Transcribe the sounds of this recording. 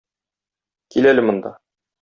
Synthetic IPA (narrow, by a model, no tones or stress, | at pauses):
kilælɘmŏnd̪ɑ̰